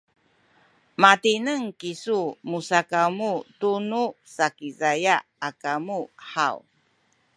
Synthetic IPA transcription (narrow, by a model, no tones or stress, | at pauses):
matinəŋkisumusakamutunusakizajaːkamuħaw